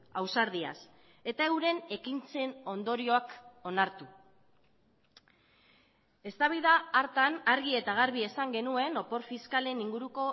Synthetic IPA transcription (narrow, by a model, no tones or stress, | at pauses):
awsaɾð̞ia̰s | e̞t̪aewɾe̞ne̞kint͡se̞no̞nd̪o̞ɾio̞ako̞naɾt̪u | e̞st̪aβijðaːɾt̪anaɾɣ̞ie̞t̪aɣaɾβ̞ie̞saŋɡe̞nue̞no̞po̞ɾfiskale̞niŋɡuɾuko̞